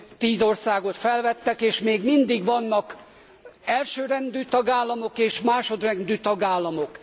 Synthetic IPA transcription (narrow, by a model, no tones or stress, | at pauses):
t̪iːzo̞rsaːɡo̞t̪fɛlvɛt̪ːɛkeːʃmeːɡmind̪iɡʋɒnːɒk | ɛlʃøːɾɛnd̪yːt̪ɒɡaːlːɒmokeːʃmaːʃo̞d̪rɛnd̪yːt̪ɒɡaːlːɒmok